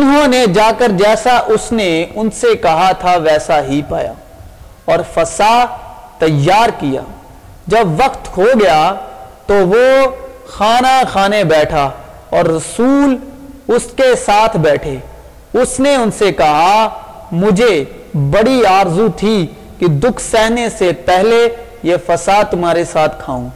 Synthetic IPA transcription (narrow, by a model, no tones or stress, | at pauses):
ʊnɦõːned͡ʒaːkəɾd͡ʒɛːsaʔʊsneʊnsekɐɦat̪ʰaʋɛːsaɦipaːja̰ː | ɔːɾfɐsa | t̪ɐjːaːɾkija̰ː | d͡ʒɐbʋɐqt̪ɦoɡɐjat̪oʋoxaːnaxaːnebɛːʈʰa | ɔːɾːɐsuːl | ʊskesaːt̪ʰbɛːʈʰeː | ʊsneʊnsekɐɦa | mʊd͡ʒʱe | bɐɽiaːɾzut̪ʰi | kid̪ʊkʰsɛɦnesepɛɦle | jefɐsat̪ʊmaːɾesaːt̪ʰkʰaːũː